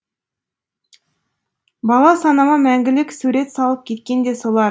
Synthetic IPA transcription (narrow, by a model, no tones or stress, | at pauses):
bɑlˠɑsɑnɑmɑmæŋɡʲɪlɪksuɾe̞t̪sɑlˠəp̚kʲʰe̞t̪̚kʲe̞nd̪e̞so̞lˠɑɾ